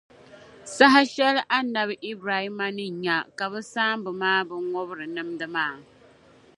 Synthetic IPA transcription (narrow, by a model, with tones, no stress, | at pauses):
sa˦ɦa˦ʃɛ˦lʔa˦na˨bʔi˦bɾa˨hi˦ma˦nɨ˦ɲa˨ka˨bɨ˦saː˦m˦bɨ˨maː˦bɨ˦ŋ˦ŋɔ˦bɾɨ˨nɨ˦mdɨ˦maː˦˨